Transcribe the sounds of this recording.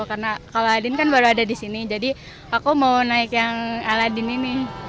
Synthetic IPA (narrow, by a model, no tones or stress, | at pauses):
karnakaloadɪnkanbaɾuadadisinid͡ʒadi | akumaunaɪkjaŋaladininɪh